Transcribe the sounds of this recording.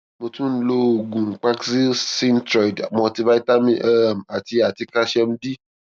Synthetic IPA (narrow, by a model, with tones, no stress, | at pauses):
mo˧tũ˦n̩˦lo˧o˨ɡũ˨ŋ̩˨k͡pa˦ksi˦sĩ˦n˦tɾɔ˨i˨da̰˨mɔ̃˧ti˧ba˦i˦ta˦mĩ˦ʔa˦˨m̩˨a˨ti˧a˨ti˧ka˦ʃɛ˧m̩̃˦di˦